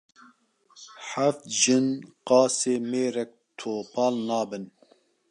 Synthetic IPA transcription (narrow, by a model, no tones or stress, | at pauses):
ħaft̪̚ʒɨnqɑːseːmeːɾɛk̚t̪ʰoːpʰɑːlnɑːbɨn